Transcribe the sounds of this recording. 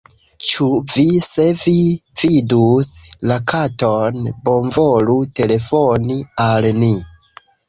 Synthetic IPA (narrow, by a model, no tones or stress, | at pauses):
t͡ʃuvise̞vividuslakʰatonbo̞nvolute̞le̞fonialni